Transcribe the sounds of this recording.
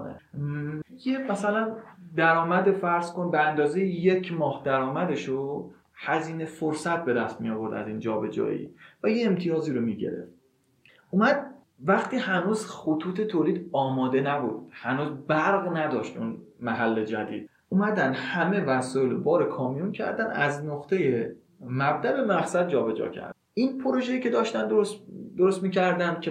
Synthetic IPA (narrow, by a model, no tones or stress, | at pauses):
nḛ | jemæsælænd̪æɾɒːmæd̪efæɾz̥ko̞nbeænd̪ɒːzejijecʰmɒːhd̪æɾɒːmæd̪eʃo | hæziːne̞foɾsæt̪̚be̞d̪æst̪mijɒːvo̞ɾd̪æ̰ziːnd͡ʒɒːbe̞d͡ʒɒ̰ːjḭːvæjeːmt̪ʰijɒːziːɾomiːɟḛɾḛft̪ | ʔuːmæd̪̚ | væχt̪iːhænuːzxot̪ʰuːt̪ʰe̞t̪ʰoːliːd̪ɒːmɒːd̪e̞næbuːd̪̥hænuːzbæɾɣnæd̪ɒːʃt̪ʔunmæɦælːe̞d͡ʒæd̪iːd̪̥̚ | ʔuːmæd̪ænd̪hæme̞væsɔːelobɒːɾekʰɒːmijuncʰæ̰ɾd̪ænæznoχt̪ʰe̞je | mæb̚d̪æbe̞mæχsæd̪̚d͡ʒɒːbe̞d͡ʒɒ̰ːcʰæ̰ɾ | ʔinpʰoɾo̞ʒejiːce̞d̪ɒːʃt̪ænd̪oosd̪oɾost̪miːcʰæɾd̪ænd̪̚kʰʲe